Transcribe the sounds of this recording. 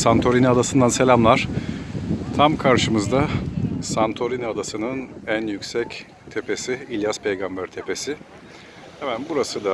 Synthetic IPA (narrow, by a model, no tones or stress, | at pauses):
sant̪ʰo̞ɾinad̪asɯnd̪anse̞lʲamlˠaɾ̥ | t̪ʰamkʰaɾʃɯmɯzd̪asant̪ʰo̞ɾinad̪asɯnɯnænjycʲsɛc | t̪ʰe̞pʰe̞siilʲjaspʰejɡambæɾt̪ʰe̞pe̞sɪ | hemænbuɾasɯd̪a